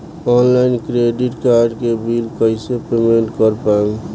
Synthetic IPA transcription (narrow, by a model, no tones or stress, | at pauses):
ɔːnlaɪnkɾeːɖɪʈkaːɾɖkebilkəɪsepemẽɳʈkəɾpaẽŋ